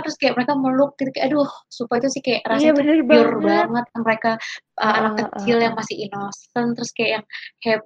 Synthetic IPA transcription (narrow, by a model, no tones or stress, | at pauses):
t̪əɾʊskajaʔməɾekaməlʊk̚ːit̪ukajaʔdʊhsupait̪usɪhkajaʔrasabʊrbaŋət̪̚aməɾekaʔəanakːət͡ʃɪljaŋmasɪhinosənt̪əɾʊskajaʔjaŋkaja